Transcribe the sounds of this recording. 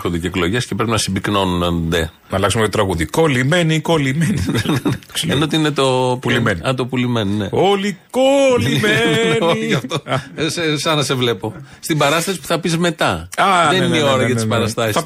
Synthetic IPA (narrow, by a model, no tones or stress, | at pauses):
xond̪eceeklo̞ʝescepɾepinɐsibikno̞nunɐnd̪e̞ | nɐlɐksumeetot̪ɾɐɣuðiko̞limenikolimeni | enot̪iinet̪oulienɐt̪opulimeninḛolikolimeoiɐft̪osesɐnɐse̞vle̞po̞st̪ibɐɾɐst̪ɐsi̥pu̥θɐpizme̞t̪ɐɐðenineiio̞ɾɐʝɐt̪ispɐɾɐsst̪ɐsis